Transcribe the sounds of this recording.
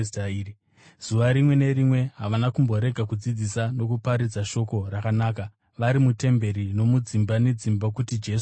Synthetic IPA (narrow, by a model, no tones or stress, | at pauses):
taːi | z̥uʋaɾimwe̞ne̞ɾimwe̞ɦaʋanakumbo̞ɾe̞ɡʱakud͡zid͡zisano̞kupaɾid͡zaʃo̞ko̞rakanaːka | ʋaɾimute̞mbe̞ɾino̞mud͡zimbane̞d͡zimbakutid͡ʒe̞s